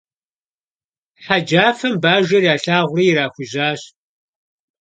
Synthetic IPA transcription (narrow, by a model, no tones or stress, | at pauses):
ħad͡ʒaːfɐmbaːʒʷɐrjaːɬaːʁʷʊriːjɪɾaːxʷʊʑaːɕ